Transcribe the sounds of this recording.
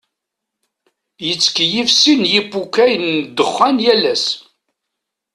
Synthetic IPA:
jət͡sːkjifsinjibukːæjnːd̪əχːænjælæs

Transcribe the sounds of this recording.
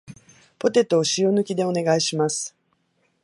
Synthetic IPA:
po̞t̪e̞t̪oːɕionɯ̟kʲid̪e̞o̞ne̞ɡaiɕimasɨ̥

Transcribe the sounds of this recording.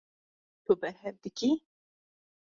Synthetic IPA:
t̪ubɛɾɦɛvd̪ɨki

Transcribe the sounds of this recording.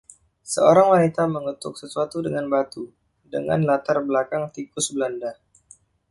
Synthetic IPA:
səoɾaŋwanit̪aməŋət̪ʊk̚səsuat̪udəŋanbat̪u | dəŋa̰nlat̪arbəlakaŋt̪ikʊsbəlanda

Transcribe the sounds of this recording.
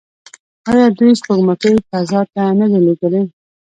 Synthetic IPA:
ɑjɑd̪ujspəɡmakəjp̪azɑp̪aanəd̪eliɡəle

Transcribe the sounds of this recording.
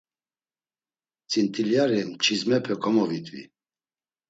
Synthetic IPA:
t͡sʼint̪ʼiljaɾimt͡ʃʰizmɛpʰɛkʰʼɔmɔvit̪ʼvḭ

